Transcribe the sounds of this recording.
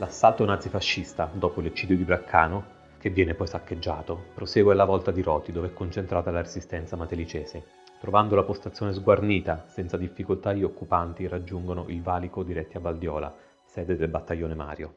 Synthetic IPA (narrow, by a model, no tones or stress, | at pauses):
lasːalt̪onad̪zifaʃːist̪ad̪oːpolet͡ʃːiːd̪jod̪ibɾakʰːaːno | kevːjɛːnepɔjsakːed͡ʒːaːt̪opɾoseːɡwɛlavɔlt̪ad̪iɾɔːt̪id̪oːveɛkːont͡ʃent̪ɾaːt̪alaɾezist̪ɛnt̪samat̪elit͡ʃɛːze | t̪ɾovand̪olapost̪at̪sjoːnezɡwarniːt̪asɛnt̪sad̪ifːikolt̪aiokːupant̪irad͡ʒːuŋɡonoʔilvaːlikod̪iɾɛt̪ːiavald̪jɔːla̰ | sɛːd̪ed̪elbat̪ːajːoːnema̰ːɾjo